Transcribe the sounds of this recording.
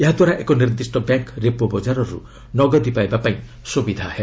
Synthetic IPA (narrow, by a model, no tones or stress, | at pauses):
eɦad̪waɾaʔekɔniɾd̪isʈɔbaŋkɾepɔbɔd͡ʒaɾɔɾṵ | nɔɡɔd̪ipajbapaĩ | subid̪ʱahe